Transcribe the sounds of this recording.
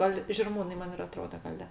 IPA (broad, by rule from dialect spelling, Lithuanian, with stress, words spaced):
ˈɡɐlˠ ʒʲɪrˈmuːnɐɪ ˈmɐn ɪr ɐˈtroːdɐ ɡɐˈlʲɛ